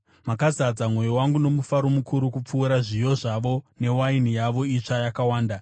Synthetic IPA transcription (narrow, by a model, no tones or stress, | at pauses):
makazad͡zamwo̞jo̞waŋɡuno̞mufaɾo̞mukʰuɾukup͡fuːɾaʐijo̞ʐaʋo̞ne̞wain̤ijaʋo̞it͡ʂajakawaːnda